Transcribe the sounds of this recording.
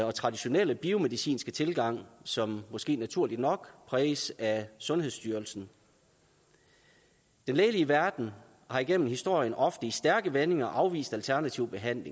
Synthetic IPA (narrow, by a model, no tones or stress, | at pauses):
ɒ̽t͡sʰʁɑ̈d̥iɕo̝nel̰əb̥io̝me̝ðˠisḭːnsɡ̥ət͡sʰe̝lɡ̥ɑ̈ŋ̰sɒ̽mːɒ̽sɡ̥e̝̰ːnæt͡sʰuɐ̰lid̥nɒ̽ɡ̥pʰʁɛːsæsɔ̽nhe̝ðˠsd̥yːɐl̩sn̩ | d̥enleːliəʋæɐd̥n̩ | hɑ̈iɡ̥en̰mn̩hisd̥o̝ɐ̰jənʔɒ̽fd̥əisd̥æɐɡ̥əʋene̝ŋɐʔɑ̈ʊʋḭːsd̥ælt͡sʰæɐnæt͡sʰiʊb̥e̝ɦæn̰le̝ŋ